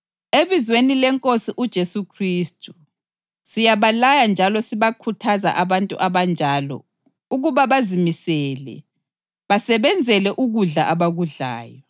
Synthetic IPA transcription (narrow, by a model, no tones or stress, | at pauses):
eβizwenilɛŋkʼosiʔud̥ʒ̥ʱesukʰriːstʰʼu | sijaβalajand͡ʒʱalɔsiβakʰutʰaza̰ʔaβantʼṵʔaβand͡ʒʱalɔ̰ | uɣuβaβazimisɛːlɛ̰ | βasɛβɛnd͡zʱɛlɛʔuɣuɮa̰ʔaβaɣuɮa̰ːjɔ